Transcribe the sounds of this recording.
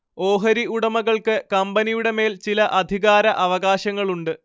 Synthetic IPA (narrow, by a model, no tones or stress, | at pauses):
o̞ːɦɐɾiuɽɐmɐɣɐɭkɨkɐmbɐnijuɽe̞me̞ːlt͡ɕilɐʔɐd̪ʱiɣaːɾɐʔɐʋɐɣaːɕɐŋːɐɭuɳɖɨ